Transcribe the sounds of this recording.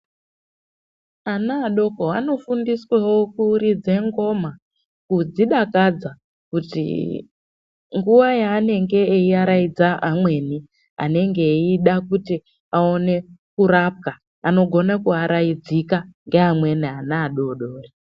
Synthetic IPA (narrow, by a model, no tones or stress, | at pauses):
anaːɗo̞koano̞fundiswewo̞kuɾid͡ze̞ŋɡo̞ma | kud͡ziɗakad͡za | kutḭ | ŋɡuʋajaːne̞ŋɡe̞ːiaɾaid͡zaʔamwe̞ni | a̰ne̞ŋɡe̞iɗakuti | ao̞ne̞kuɾap̚ka | ano̞ɡʱo̞nakuaɾʔaid͡zikaŋɡe̞ɦamwe̞nianaːɗo̞ɗoːri